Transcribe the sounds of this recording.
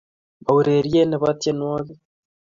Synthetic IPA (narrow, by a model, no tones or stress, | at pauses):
βauɾeɾijenaβatjenwaːβe